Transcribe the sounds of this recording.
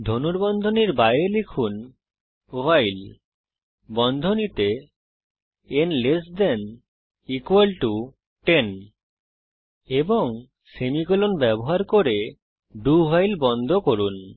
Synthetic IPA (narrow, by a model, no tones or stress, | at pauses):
d̪ʱonuɾbɔnd̪ʱoniɾbajelekʰun | oɦajl | bɔnd̪ʱonit̪e | enlesd̪ɛn | ikuwalʈu | ʈen | eboŋ | semikolonbɛboɦaɾkoɾe | ɖuɦajlbɔnd̪ʱokoɾun